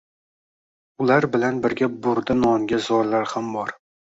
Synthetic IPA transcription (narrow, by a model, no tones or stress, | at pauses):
ʊlaɾbɪlanbɪɾɡʲabʊɾd̪ɪnɒŋɡʲazɒɾlaɾhambɒɾ